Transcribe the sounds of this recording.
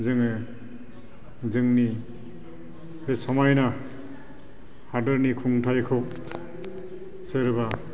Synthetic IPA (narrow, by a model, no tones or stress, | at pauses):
zɯŋɯ | zɯŋni | besɔmajna | hadɯɾnikʰuŋtʰajkʰɔk̚ | sɯɾba